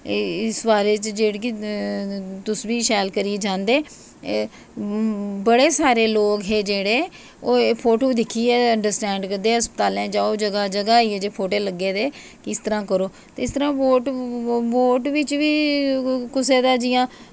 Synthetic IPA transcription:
ɪsbaːɾeːt͡ʃd͡ʒeːɽk̬i | t̪ʊsʋiːʃɛːlkəɾied͡ʒãːnd̪eː | bəɽeːsaːɾeːloːkɦeːd͡ʒeːɽeː | oːpʰoːʈoːd̪ɪkʰːiːɛːəɳɖəɾsʈɛ̃ːɳɖkəɾd̪eːɦəspət̪aːlẽːd͡ʒãːoːd͡ʒəɡaːd͡ʒəɡaːiːɛːd͡ʒeːpʰoːʈeːləɡːeːd̪eː | kɪst̪əɾãːkəɾoːt̪eːɪst̪əɾãːʋoːʈʋoːʈʋɪt͡ʃʋiː | kʊseːd̪aːd͡ʒɪjãː

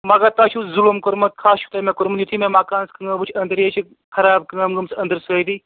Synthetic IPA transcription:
maːɡat̪aːt͡ʃʰuzulumkoɾmɐt̪̚kʰaːst͡ʃʰu̥t̪aːmekoɾmɐnjut̪ʰimẽmaːkaːnskɐŋɡɐbut͡ʃʰɐnd̪əɾjet͡ʃʰi | kʰɐɾaːb̚kɐŋɐmɡɐmsɐnd̪əɾsəːd̪iː

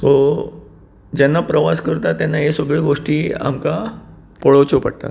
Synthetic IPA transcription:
to | d͡ʑɛnːapɾəʋaskəɾt̪at̪ːjanːaɦesəɡɭeɡoʂʈiːa̰mka | poɭəwt͡ɕopə̰ɽt̪a̰t̪

